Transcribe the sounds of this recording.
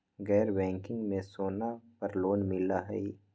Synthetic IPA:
ɡɛːɾbɛ̃ːŋkɪ̃ŋɡmẽsoːnapɐɾloːnmɪlaɦɛ̰i

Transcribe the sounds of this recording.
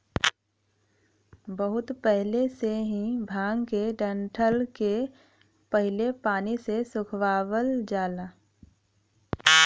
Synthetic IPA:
bəɦʊt̪pɛɦɪleseɦĩbʱaːŋɡkeɖə̃ɳʈʰəlke | pəɦɪlepaːnisesʊkʰwaːwəld͡ʒaːlaː

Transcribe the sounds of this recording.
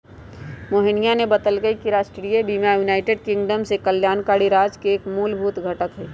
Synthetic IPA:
moːɦɪnijanebɐd̪əlɡəikiɾaːʃʈɾijebiːmjajuːnaːɪʈeːɖkɪ̃ŋɡɖəmsekəljaːnkaːɽiɾaːd͡ʒkeːkmuːlbʱuːt̪ɡʱəʈəkɦɛː

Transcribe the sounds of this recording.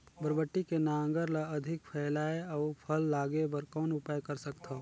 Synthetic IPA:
bəɾbəʈːikenaŋɡəɾlaɐd̪ʱɪk̚pʰɛːlaːeaːpʰəlːaːɡebəɾkɔːnʊpaːjkəɾsəkt̪ʰa

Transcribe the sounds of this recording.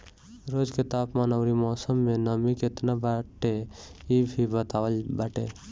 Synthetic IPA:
ɾod͡ʒket̪apmanəʊɾimɔsəmːenəmiket̪nabaʈeibʱibət̪awəlbaʈe

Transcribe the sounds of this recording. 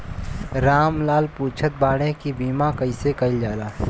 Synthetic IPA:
ɾaːmlaːlpuːt͡ʃʰət̪̚baːɽ̃ẽkibiːmakəisekɐɪld͡ʒaːlaː

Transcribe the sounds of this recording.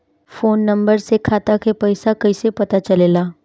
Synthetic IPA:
foːnːɐ̃mbəɾsekʰaːt̪akʰepɛɪsakɐisepɐt̪at͡ʃɐlelaː

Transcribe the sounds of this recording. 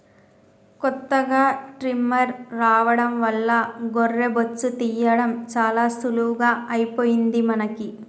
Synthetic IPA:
kɔt̪ːɐɡaːʈɾimɐɾːaːʋɐɽɐmʋɐlːɐɡɔrːebot͡ʃːut̪ijːɐɽɐmt͡ʃaːlaːsuluʋɡaːɐjipoːjind̪imɐnɐki

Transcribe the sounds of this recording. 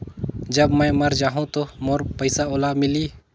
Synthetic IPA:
d͡ʒəbməjmɐɾd͡ʒaːɦũt̪oːmoːɾpəɪsaoːlamɪliː

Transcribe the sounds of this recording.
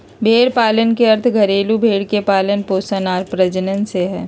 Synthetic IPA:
bʱeːɽpaːlənkeɐɾt̪ʰɡʱɐɾeːlubʱeːɽkepaːlənpoːsənaːɾpɾəd͡ʒənənseɦɛː

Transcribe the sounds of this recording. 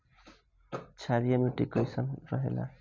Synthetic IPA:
t͡sʰaɾijamuʈikʌjsʌnrʌɦḛla̰

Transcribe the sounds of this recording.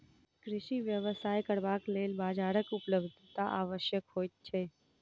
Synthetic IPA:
kɾɪʃiʋjəʋəsajkəɾʋaklelbad͡ʒaɾəkupləbd̪ʱt̪aʔaʋəʃjəkɦoj̪t͡ʃʰe

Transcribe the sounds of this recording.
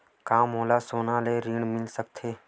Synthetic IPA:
kaːmɦoːlaːsoːnaːleːɾiːɳmɪlsək̚t̪ʰeː

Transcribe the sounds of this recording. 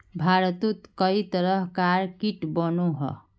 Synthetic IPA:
bʱaɾt̪ut̪kʌit̪ʌɾʌɦkaɾkiʈbʌnuɦɔ̰

